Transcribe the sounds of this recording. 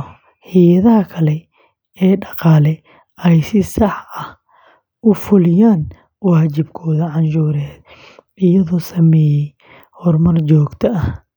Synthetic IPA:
hijɐðɐɦɐkʰɐlɛ | ɛːɖɑqɑːlɛ | ɛjsɪsɑħɐh | ʊfʊlɪjaːn | waːt͡ʃɪbkʰɔːðɐʕɑnʃuːɾɛːd | ɪjɐðɔːsɐmɛːjɛj | hɔrmɐrt͡ʃɔːɡt̪ʰɐɐh

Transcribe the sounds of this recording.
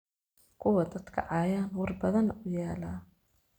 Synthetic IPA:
kʰʊwɐd̪ɐd̪kʰɐ̰ʕɑːjaːnwɑrbɐðɐnɐʊjaːlaː

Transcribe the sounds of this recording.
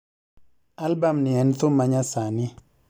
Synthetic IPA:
albamniɛnt̪ʊmaɲasani

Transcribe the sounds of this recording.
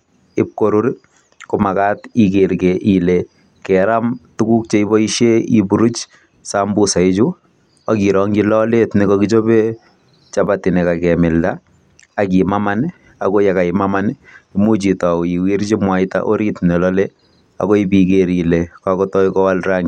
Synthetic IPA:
ɪp̚koɾuɾ | komakatikeɾkeʔile | kɛɾamtukuk̚t͡ʃeibɔiʃeibuɾut͡ʃ | sambusaɪt͡ʃu | akiɾɔŋɡilɔletnikɔkit͡ʃobe | t͡ʃapatɪnɛkakɛmɪldaː | kimaman | akojakaɪmamanimut͡ʃitaiwiɾt͡ʃimwaɪta̰ʔoɾitnelɔle | a̰koipikeɾilekakɔtɔikɔwalraŋ

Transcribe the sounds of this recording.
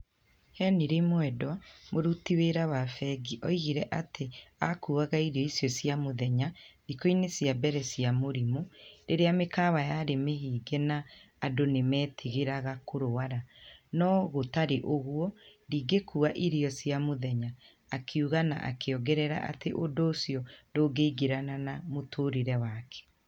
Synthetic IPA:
hɛniɾemwɛdɔmoɾutiweɾawafɛɡiʔɔiɣiɾɛʔatʰeakuːaɣaiɾeɔisjɔsjamoðɛɲaðikoinesjabɛɾɛsiamoɾimoɾeɾeamekawajaɾemeɦiːɡɛnaː | donemɛːtʰiɣeɾaɣakoɾoaɾanɔɣotaɾeʔoɣwɔɾiːɡekuaʔiɾejɔsjamoðɛɲaː | kʰiuɣana̰ʔa̰kʰeɔɡɛɾɛɾa̰ʔa̰teʔodoːsjɔndoːɡeiɡeɾananamotʰoːɾiɾɛwakʰɛ̥

